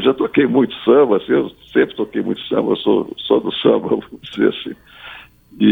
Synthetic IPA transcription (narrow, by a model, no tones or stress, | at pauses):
ʒat̪okejmũj̃t̪ʊ̥sɐ̃bɐasĩewsẽmpɾɪ̥t̪okejmũj̃t̪ʊ̥sɐ̰̃mbɐḛwso̰sɔd̪ʊsɐ̰̃mbɐvõmzḛasĩ | ɪ